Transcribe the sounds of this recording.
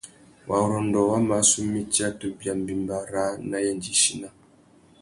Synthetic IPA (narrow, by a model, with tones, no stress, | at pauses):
wʔa˨ɾɔ˨n˨dɔ˨wa˦ma˨˦su˦mi˦ti˦a˦tu˦bja˨m˨bi˨mba˨ɾa˨˦na˦jɛ˦˨nd͡ʒi˦ʃi˦na˦